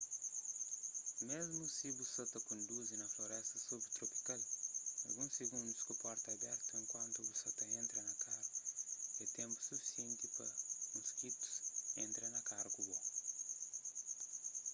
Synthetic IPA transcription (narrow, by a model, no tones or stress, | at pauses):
mezmusibusɐt̪ɐkõnd̪uzinɐfloɾɛst̪ɐsubɾt̪ɾopi̥kalɐlɡũsːeɡũnd̪uskupɔɾt̪abɛɾt̪ɐẽŋkwɐ̃nt̪ubusɐt̪ɐẽnt̪ɾɐnɐkaɾɐet̪ẽmpu̥sufi̥siẽnt̪ipɐmuskit̪u̥sẽnt̪ɾɐnɐkaɾɐkubo